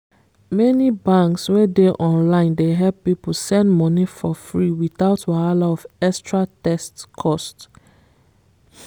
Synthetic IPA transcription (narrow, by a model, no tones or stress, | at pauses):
mɛnibãŋkswedeʔɔ̃nlãɪ̃ndeɦɛlppiposɛ̃ndmɔnifɔfɹiwiθaʊtwaalaɔfɛkstʰɹatɛstkʰɔst